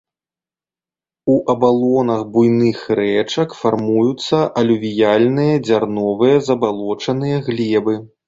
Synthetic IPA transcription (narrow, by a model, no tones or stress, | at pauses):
uʔɐbalˠɔnɐɣbujnɨxɾɛt͡ʂɐkfarmujut̪sːɐʔɐlʲuvʲijalʲnɨjɐd͡zʲarnɔvɨjɐzɐbalˠɔt͡ʂɐn̪ɨjɐɣlʲɛbɨ